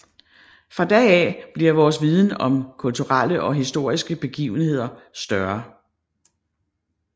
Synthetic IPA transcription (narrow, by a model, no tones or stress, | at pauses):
fʁɑ̈d̥ɛːɛ̰b̥liɐʋɒːs̬ʋið̞ˠn̩ɒ̽mkʰult͡sʰuʁal̰əʔɒ̽ɦisd̥o̝ɐ̰isɡ̥əb̥e̝ɡ̥ḭːʊn̩he̝ð̞̰ˠɐsd̥ɶɐ